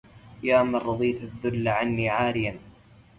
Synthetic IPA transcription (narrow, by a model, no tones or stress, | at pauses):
jaːmanɾˤɑðˤiːt̪aðːʊlːaʕanːiːʕaːɾɪjan